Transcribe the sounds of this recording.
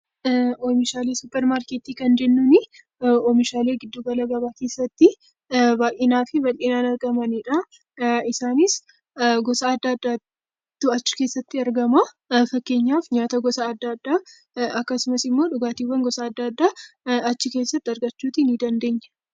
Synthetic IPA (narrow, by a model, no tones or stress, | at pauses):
oːmɪʃaːleːsʊpːɛɾmaːɾkeːt̪iːkɐnd͡ʒɛnːʊnɪ | ɔmɪʃaːle̞ːɡɪd̪ːuːɡɐlɐɡɐbaːke̞ːsːɐt̪ːɪ | baːʔeːnaːfɪbɐleːnaːnɐɾɡɐmɐniᶑɐ | ɪsaːnɪs | ɡɔsɐːd̪ːad̪ːa | t̪ːʊɐt͡ʃːɪ̥ke̞ːsːɐt̪ːɪɐɾɡɐmɐ | fɐkːe̞ːɲːaːfɲaːt̪ɐɡɔsɐːd̪ːaːd̪ːaː | ɐkːɐsʊmɐsɪmːo̞ːᶑʊɡaːt̪iːwːɐŋɡɔsɐːd̪ːaːd̪ːaːɐt͡ʃːɪke̞ːsːɐt̪ːɪɐɾɡɐt͡ʃːuːt̪inɪd̪ɐnd̪e̞ːɲːɐ̥